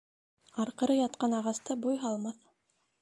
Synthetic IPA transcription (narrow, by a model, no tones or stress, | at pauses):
ɑɾqɤ̆ɾɤjɑt̪qɑnɑʁɑst̪ɤbujɦɑlˠmɑθ